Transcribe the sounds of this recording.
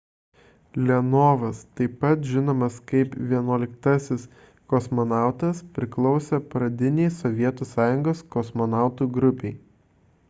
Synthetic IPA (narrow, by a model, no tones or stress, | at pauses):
lʲɛnoːʋɐst̪ɐɪpːɐt̪ʒʲɪnoːmɐskɐɪpʋʲiɛnuɔlʲɪkt̪ɐsʲɪs | kɔsmɔnɑˑʊt̪ɐspʲɾʲɪklˠɒʊsʲɛpɾɐd̪ʲɪnʲeɪsɔʋʲiɛt̪uːsɑːjʊŋɡoːskɔsmɔnɑˑʊt̪uːɡɾʊpʲeɪ